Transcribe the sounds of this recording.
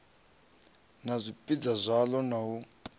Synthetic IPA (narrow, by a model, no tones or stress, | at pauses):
nazʷipʼid͡zazʷalɔnaɦu